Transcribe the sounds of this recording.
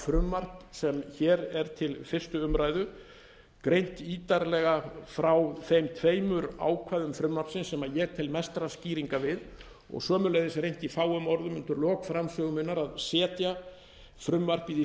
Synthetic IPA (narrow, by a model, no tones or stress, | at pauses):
fɾʏmːar̥psɛmçɛːɾɛɾt̪ʰɪlfɪr̥st̪ʏʏmɾaːjðʏ | kɾejn̥t̪iːt̪aɾlɛɣafɾawθejmt̪ʰveːjmʏɾa̰ːwkʰvajðʏmfɾʏmːar̥psɪnsːɛmajɛɣt̪ʰɪlmɛst̪ɾasciːɾiŋkavɪð | ɔ̰ɣsœːmʏlaɣðɪsɾejn̥t̪ifaːwʏmɔɾðʏmʏnt̪ʏɾlɔːkfɾamsœːɣʏmʏnːaɾaðsɛːt̪ja | fɾʏmːar̥pið